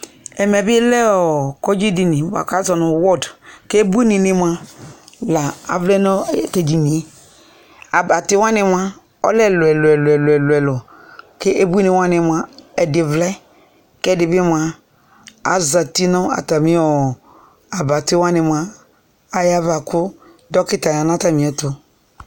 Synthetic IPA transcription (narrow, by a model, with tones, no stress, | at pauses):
ɛ˨mɛ˨bi˦lɛ˦ɔ˨ko˦d͡ʒi˦di˨ni˨wa̰˨ka˦zɔ˨nu˨wɔ˦dke˦e˦bu˦ni˨ni˨m˦a˦ | la˨a̰˨vlɛ˦nɔ˦˨ke˨d͡ʒi˨ni˨˦ | a˨ba˨ti˦wa˦nɪ˨ma˦ | ɔ̰˦lɛ˦˨lɛ˨lɛ˨llɛ˨lo˨ɛ˨lɔ˨ | ke˦ʔe˦bu˦e˦ni˨wa˦nɪ˨mʷ˨a˨ɛ˨dɪ˨vlɛ˦ | kɛ˦˨dɪ˨bi˦mʷ˨a˨ | a̰˨za˨ti˦nɔ˦a̰˨ta˨mi˦ɔ˨ | a˨ba˨ti˦wa˦nɪ˨mʷa˦ | a˦ja˦va˨kʊ˦ | dɔ˦kɪ˦ta˨ja˨na˦ta˦mĩ˨ɛ˨tʊ˦